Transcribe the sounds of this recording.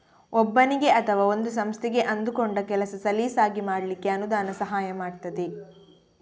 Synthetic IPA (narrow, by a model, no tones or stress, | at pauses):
ɔbːɐniɡe̞ʔɐt̪ʰɐʋaːo̞nd̪us̬ɐmst̪ʰɛɡeʔɐnd̪ukoɳɖɐkɛlɐsɐsɐliːsaːɡimaːɽɐlikːeɐnud̪aːnɐsɐɦaːjɐmaːɽt̪ɐd̪e